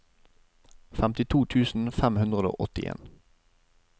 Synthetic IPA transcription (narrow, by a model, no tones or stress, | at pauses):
fæmt̪ɪt̪ʰuːt̪ʰʉːsn̩fɛmhʉnd̪ʁəd̪o̰ːʔɔt̪ɪʔḛːn